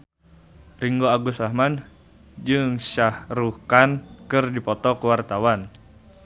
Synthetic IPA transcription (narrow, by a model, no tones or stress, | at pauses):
riŋɡoaɡusahman | d͡ʒɨŋʃahrukankɨrdipɔt̪ɔkuwart̪awan